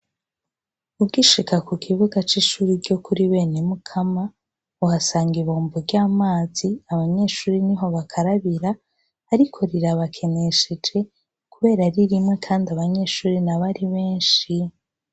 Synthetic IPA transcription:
uɡiʃikakukʰiβuɡat͡ʃiʃuːɾiɾɟo̞kʰuɾiβe̞ːnemukʰama | uhasaːŋɡiβoːmboɾɟaːmaːziaβaɲe̞ːʃuːɾiniɦo̞βakʰaɾaβiɾaː | ɾikʰo̞ɾiɾaβakʰe̞ne̞ʃe̞d͡ʒe̞ | kuβe̞ːɾaɾiɾimŋe̞kʰaːndaβaɲe̞ːʃuːɾinaβaɾiβe̞ːnʃi

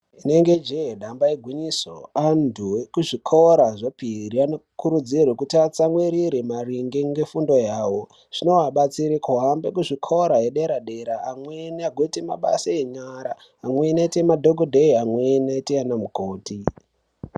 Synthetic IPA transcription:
ine̞ŋɡed͡ʒeɗambaeɡʱwiɲiso̰andʱuekuʐikʰoɾaʐopirianokuɾud͡zirwekutat͡samweɾiɾemariŋɡeŋɡe̞fundo̞jaːwo | ʐ̥ino̞ɦaɓat͡siɾekuɦambekuʐikʰoɾaɦeɗeɾaɗeɾaːmwenaɡʱoitema̰ɓa̰saeɲaɾaː | mwe̞naitemadʱoɡʱodʱeiamwenaiteanamukoːti

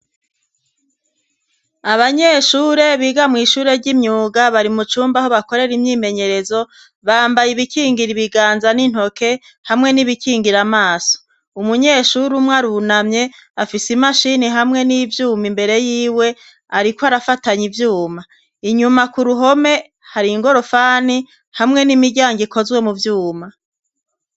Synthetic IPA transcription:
aβaɲe̞ːʃuːɾe̞βiːɡamŋiːʃuːɾe̞ɾɟimɲuːɡaβaɾimut͡ʃuːmbaho̞βako̞ɾe̞ɾimɲiːme̞ɲe̞ɾe̞zo̞ | βaːmbajiβikiːŋɡiɾiβiɡaːnzanin̥ho̞ke̞ | hamŋe̞niβikiːŋɡiɾamaːso̥ | umuɲe̞ːʃuɾumŋaɾunamɲe̞afisimaʃiniɦamŋe̞nivjuːmimbe̞ɾe̞jiːwe̞ | aɾikwaɾafataɲivjuːma | iɲumakuɾuɦo̞me̞ | haɾiŋɡo̞ɾo̞faːni | hamŋe̞nimiɟaːŋɡikʰo̞zɡwe̞muvjuːma

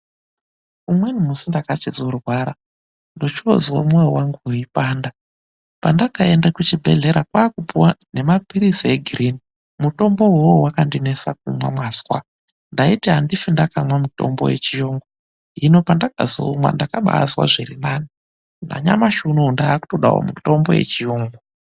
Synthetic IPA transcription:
umwe̞nimusindakat͡ʃed͡zurwaːɾa | ndo̞t͡ʃo̰zwo̰mwojewaŋɡuuipaːnda | pandakaendakut͡ʃibʱe̞ɮe̞ɾakwaːkupuwane̞mapiɾisieɡʱirini | muto̞mbo̞wowowakandinesa̰k̚umwa̰mwazwa̰ | ndaitiɦandifindakamwamuto̞mbo̞̰je̞̰t͡ʃijoːŋɡo | ɦino̞pandakazo̰ːmwa̰ndakaɓa̰ːswa̰ʐirinaːni | na̰ɲa̰maʃunundaːku̥to̞ɗa̰ɦo̰muto̞mbo̞̰je̞̰t͡ʃijoːŋɡo

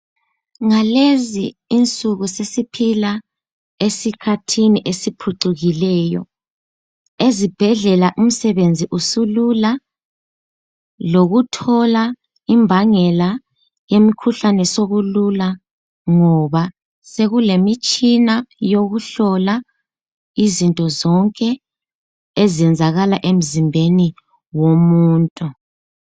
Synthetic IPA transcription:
ŋaleziːnt͡sʼuɣusesipʰila | esikʰatʰiniʔesipʰuǀuɣilɛːjɔ̰ | ezib̥ʱɛɮɛlaʔum̩sɛβend͡zʱiʔusulula | loɣutʰɔla | imbʱaŋɛla | jemikʰuɬanɛsoβulula | ŋɔβa | seɣulemit͡ʃʼinajoɣuɬɔla | izintʼɔzɔŋkʼɛ | ezɛnd͡zʱaɣalaʔem̩zimbʱeni | womuːntʼu

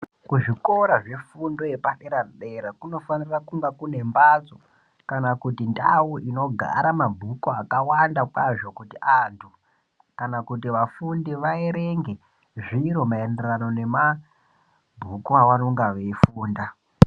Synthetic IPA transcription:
kuʐiko̞ɾaʐe̞fundo̞jepaɗeɾanɗeɾakuno̞fanirakuŋɡakune̞mbad͡zo | kanakutindawuʔino̞ɡʱa̰ɾamabʱukoakawandakwaʐo̞kutiʔantʰu | kanakutiʋafundiʋaeɾeŋɡe̞ | ʐiɾo̞maenderano̞ne̞ma | bʱukoawano̞ŋɡaʋeifuːnda

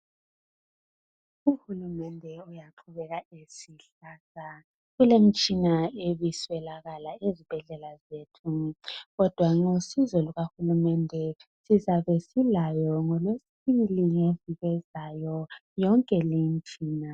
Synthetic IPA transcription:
uhulumɛndʱɛujaǃʰuβɛɣaesiɬ | aːsa | ɣulem̩t͡ʃʼinaeβiswɛlaɣalaezib̥ʱɛɮɛlazeːtʰuɣɔd̥ʱwaŋosizɔluɣahulumɛndʱɛsizaβɛsilajɔŋɔlwesiβiliŋeviβɛzajɔjɔŋkʼɛlint͡ʃʼiːna

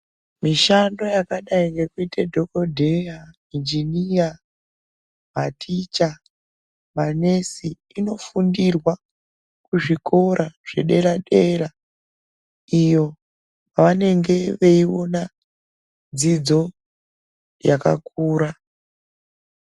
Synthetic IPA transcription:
miʃando̞jakaɗaiŋɡe̞kuitedʱo̞ko̞dʱeja | ind͡ʒinia | matʰit͡ʃa | mane̞si | ino̞fundirwa | kuʐiko̞ɾʔaʐ̥e̞ɗe̞ɾaɗe̞ɾa | ijo̞ | paʋane̞ŋɡe̞ʋeio̞na | d͡zid͡zo̞ | jaka̰kʰuːɾa

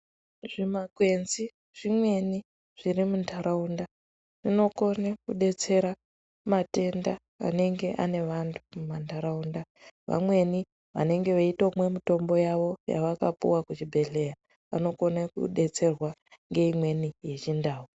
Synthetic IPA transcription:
ʐ̥imakwe̞nzi | ʐ̥imwe̞ni | ʐ̥iɾimuntʰaɾaunda | ʐ̥ino̞ko̞nekuɗe̞t͡se̞ɾa | mate̞nda | a̰ne̞ŋɡe̞ʔa̰ne̞ʋantʰu̥mumantaɾaunda | ʋa̰mwe̞ni | ʋa̰ne̞ŋɡe̞ʋaitomwe̞mito̞mbojaʋo̞ja̰ʋakapṵwakut͡ʃibʱe̞ɬe̞ja | ʋa̰no̞ko̞nakṵɗe̞t͡se̞rwaŋɡe̞imwe̞nije̞t͡ʃindaːɦu

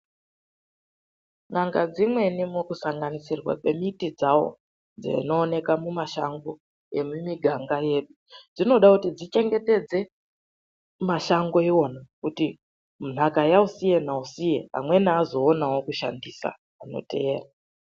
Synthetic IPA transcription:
ŋaŋɡad͡zimwe̞nimokusaŋɡanisirwa̰kwe̞mitid͡zawo̞̰ | d͡zḛino̞ːne̞kamumaʃaŋɡo̞ | je̞mumiɡʱaŋɡaje̞ɗud͡zino̞ɗakutid͡zit͡ʃe̞ŋɡe̞te̞d͡ze̞ | maʃaŋɡo̞iwo̞nakuti | mun̤akajausije̞nausijea̰mwe̞niazo̞ːnawo̞kuʃa̰ndisa̰ | ano̰te̞eːra

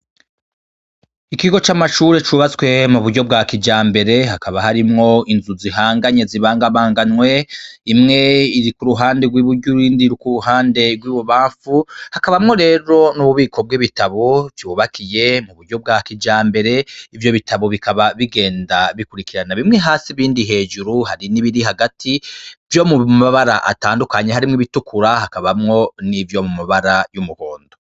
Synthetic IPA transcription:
ikiɡo̞t͡ʃamaʃuːɾet͡ʃuβat͡swe̞muβuɾɟo̞b̚ɡakid͡ʒaːmbe̞ɾe̞ɦakaβahaɾimŋo̞inzuziɦaːŋɡaɲe̞ziβaːŋɡaβaːŋɡanwe̞imŋe̞iɾikuɾuɦaːnde̞ɡwiːβuɾɟuiːndiɾukuɾuɦaːnde̞ɡwiːβoβaːɱfuhakaβamŋo̞ɾe̞ːɾo̞nuβuβiːkʰo̞b̚ɡiβitaβovjuβakʰije̞muβuɾɟo̞b̚ɡakid͡ʒaːmbe̞ɾe̞ivjo̞βitʰaβo̞βikʰaβaβiɡe̞ːndaβikuɾikiɾanaβimŋeɦaːsiβiːndiɦe̞ːʒuɾuhaɾiniβiɾiɦaɡatʰivjo̞muaβaɾaʔa̰taːndukaɲeɦaɾimŋiβitukʰuɾahakaβamŋo̞nivjo̞mumaβaɾajumuhoːndo

